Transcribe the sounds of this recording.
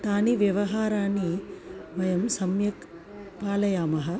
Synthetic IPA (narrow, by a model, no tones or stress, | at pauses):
t̪aːniʋjɐʋɐɦaːɾaːniʋɐjɐmsɐmjɐk | paːlɐjaːmɐɦɐ̆